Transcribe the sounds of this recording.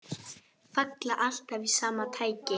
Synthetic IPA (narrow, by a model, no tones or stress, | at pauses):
faklaʔal̥t̪aviðsaːmat̪ʰaːjcɪ